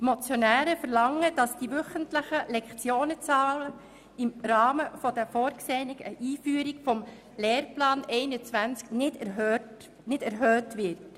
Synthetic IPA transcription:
mot͡sjɔnæːɾəfəɾlɑŋːəd̥ɑsd̥iʋʏχəntləχəlɛkt͡sjoːnət͡sɑːlə | ɪmɾɑːməfɔd̥əfoːɾkseːnɪkəʔiːfyːɾikfɔm | leːrplɑːnɛɪnət͡sʋænt͡sknɪd | nɪdæɾɦøːtʋɪrt

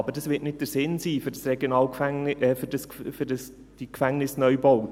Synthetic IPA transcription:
ɑbəɾd̥ɑsʋɪtnɪt̚d̥əɾsɪnsiːfʏɾdɑsrɛɡ̥jonɑːlkfæŋʔɛːfʏɾd̥ɑskfʏɾdəs | d̥ikfæŋnɪsnœʏboʊt

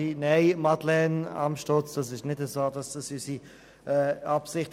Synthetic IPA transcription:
inɛɪmadlɛnɑ̰mʃtɔt͡sd̥ɑs̬ɪʃnɪdəzoːdɑsd̥ɑsysi | ɛːɑpsɪχt

